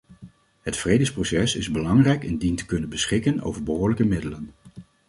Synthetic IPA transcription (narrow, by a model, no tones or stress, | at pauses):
ɦətfrejdəsprowsɛsɪzbəlɑŋrɛjkɪndintə̥kɵnənbəsχɪkəno̰wvəɹbəɦʊːɹləkəmɪdələn